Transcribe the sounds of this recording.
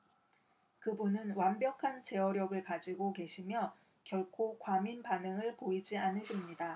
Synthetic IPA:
kɯbunɯnwambjʌkʰant͡ɕe̞ʌɾjʌɡɯɭkad͡ʑiɡoke̞ɕʰimjʌ | kjʌɭkʰokwaminpanɯŋɯɭpoid͡ʑianɯɕʰimɲida

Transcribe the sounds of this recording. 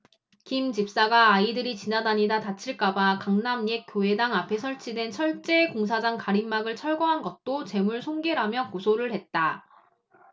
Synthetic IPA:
kimd͡ʑip̚s͈aɡaːidɯɾit͡ɕinanaɲidatat͡ɕʰiɭk͈abakaŋnamje̞k͈joe̞daŋapʰe̞sʰʌɭt͡ɕʰidwe̞nsʰʌɭt͡ɕ͈e̞koŋs̬ʰad͡ʑaŋkaɾimːaɡɯɭt͡ɕʰʌɭɡoɦanɡʌt̚t͈ot͡ɕe̞muɭsʰoŋɡeɾamjʌkosʰoɾɯɭɦe̞t̚t͈a

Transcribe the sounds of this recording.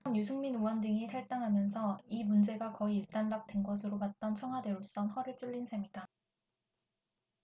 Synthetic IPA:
mjus̬ʰɯŋminuwʌndɯŋitʰaɭt͈aŋɦamjʌnsʰʌimund͡ʑe̞ɡakʌiːɭt͈anbak̚t͈we̞nɡʌsʰɯɾopat̚t͈ʌnt͡ɕʰʌŋɦwadwe̞ɾos͈ʌnhʌɾɯɭt͡ɕ͈ɯɭːinsʰemida

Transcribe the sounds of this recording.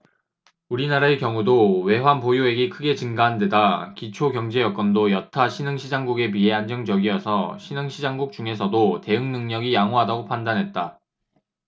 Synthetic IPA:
uɾinaɾaekjʌŋudowe̞wanpojoe̞ɡikʰɯɡe̞t͡ɕɯnɡaɦande̞dakit͡ɕʰoɡjʌŋd͡ʑe̞jʌk͈ʌndojʌtʰaɕʰinɯŋɕʰid͡ʑaŋɡuɡe̞pie̞and͡ʑʌŋd͡ʑʌɡiʌsʰʌɕʰinɯŋɕʰid͡ʑaŋɡuk̚t͡ɕ͈uŋe̞sʰʌdote̞ɯŋnɯŋɲʌɡijaŋoɦadaɡopʰandanɦe̞t̚t͈a

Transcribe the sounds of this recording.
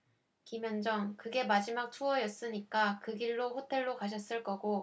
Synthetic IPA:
kimjʌnd͡ʑʌŋkɯɡe̞mad͡ʑimak̚tʰuʌjʌs͈ɯɲik͈akɯɡiɭːoɸotʰe̞ɭːokaɕ̬ʰʌs͈ɯɭk͈ʌɡo

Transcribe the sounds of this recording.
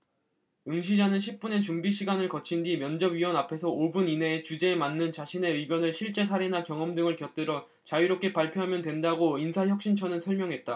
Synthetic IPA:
ɯŋɕ̬ʰid͡ʑanɯnɕʰip̚p͈une̞t͡ɕumbiɕʰiɡanɯɭkʌt͡ɕʰindimjʌnd͡ʑʌbɥiwʌnapʰe̞sʰʌobunine̞t͡ɕud͡ʑe̞ːmanːɯnt͡ɕaɕʰine̞ɯiɡjʌnɯɭɕʰiɭt͡ɕ͈e̞s̬ʰaɾenakjʌŋʌmdɯŋɯɭkjʌp̚t͈ɯɾʌ | t͡ɕaɥiɾop̚k͈e̞paɭpʰjoɦamjʌndwe̞ndaɡoinsʰaçjʌk̚ɕ͈int͡ɕʰʌnɯnsʰʌɭmjʌŋɦe̞t̚t͈a

